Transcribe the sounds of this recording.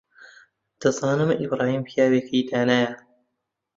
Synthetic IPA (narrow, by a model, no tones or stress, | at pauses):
d̪̥ɐzaːnɨmibɾaːhiːmpʰjaːwekʰɐjd̪aːnaːja